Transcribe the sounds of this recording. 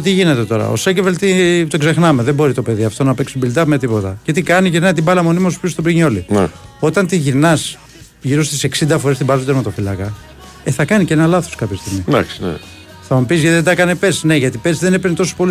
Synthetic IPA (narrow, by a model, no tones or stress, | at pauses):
t̪iʝine̞t̪e̞t̪o̞ɾɐ̰o̰secevelt̪it̪oɡze̞xnɐmeðembo̞ɾit̪o̞pe̞ðiɐft̪o̞nɐpeksibilt̪ɐme̞t̪̬ipo̞t̪ɐce̞t̪ikɐniʝiɾnɐt̪̬ibɐlɐmo̞nimɐsuspist̪o̞bɾiɲo̞lin | o̞t̪ɐnt̪iʝiɾnɐs | ʝiɾo̞st̪ise̞ksind̪ɐfo̞ɾest̪ibɐzod̪ezmet̪ofilɐkɐ | eθɐkɐniceenɐlɐθo̥skɐpçest̪iɣmid̪ɐ̰ksnḛ | θɐmupizʝɐt̪iðed̪ɐkɐnepesneʝɐt̪ipesðe̞nepeɾnet̪o̞so̥po̞li